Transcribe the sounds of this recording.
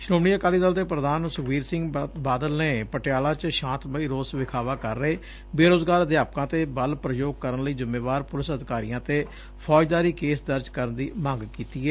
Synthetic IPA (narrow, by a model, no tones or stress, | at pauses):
ʃɾoːmɽiːəkaːliːd̪əld̪eːpɾəd̪aːnsʊʋiːɾsɪ̃ŋɡbaːd̪əlneːpəʈɪjaːlãːt͡ʃʃãːnt̪bəiːɾoːsʋɪkʰaːʋaːkəɾːeː | beːɾoːzɡaːɾəd̪jaːp̚kãːt̪eːbəlpɾəjoːɡ̚kəɾənləiːzɪmːẽːʋaːɾpʊlɪsəd̪ɪkaːɾḭjãːt̪eː | pʰɔːd͡ʒd̪aːɾiːkeːsd̪əɾd͡ʒkəɾənd̪iːmãːŋɡkiːt̪iːɛː